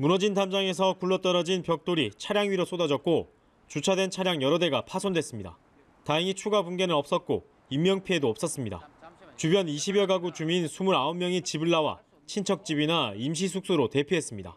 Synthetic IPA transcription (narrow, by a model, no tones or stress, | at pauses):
munʌd͡ʑindamd͡ʑaŋe̞s̬ʰʌkuɭːʌt͈ʌɾʌd͡ʑinpjʌk̚t͈oɾit͡ɕʰaɾjaŋɥiɾos͈odad͡ʑʌt̚k͈o | t͡ɕut͡ɕʰadwe̞nt͡ɕʰaɾjaŋjʌɾʌde̞ɡapʰasʰondwe̞s͈ɯmɲida̰ | taɦiŋit͡ɕʰuɡabunɡe̞nɯɾʌp̚s͈ʌt̚k͈o̰ | imːjʌŋpʰie̞doʌps͈ʌs͈ɯmɲida̰t͡ɕubjʌniɕʰibjʌɡaɡut͡ɕuminsʰumuɾaomːjʌŋit͡ɕibɯɭːawa̰ | t͡ɕʰint͡ɕʰʌk̚t͡ɕ͈ibinaimɕ̬ʰis̬ʰuk̚s͈oɾote̞pʰiɦe̞s͈ɯmɲida̰